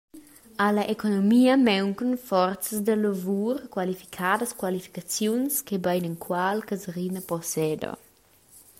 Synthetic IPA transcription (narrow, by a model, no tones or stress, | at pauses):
alaʔekonomiːəmɛwŋkənfɔrt̪t͡səsd̪əlovuːɾkwalifi̥kʰaːdəskwalifi̥kat͡sjunskebajnəŋkwalkəzɾinəpɔsɛd̪o̰